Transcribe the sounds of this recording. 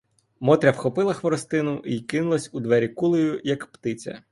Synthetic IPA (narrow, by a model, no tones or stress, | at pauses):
mɔt̪ɾʲɐwxɔpɪlˠɐxʋɔɾɔst̪ɪnʊʔikɪnʊlˠɐsʲud̪ʋɛɾʲikulˠɔjʊjɐkpt̪ɪt͡sʲɐ̰